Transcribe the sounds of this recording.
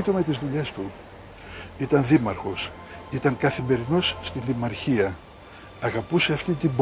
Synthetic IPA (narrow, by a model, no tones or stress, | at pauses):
it̪ume̞t̪izðuʎe̞st̪u | it̪ɐnðimɐɾxo̞s | it̪ɐŋkɐθime̞ɾino̞sːt̪iðimɐɾçiɐ | ɐɣɐpuse̞ɐft̪int̪imb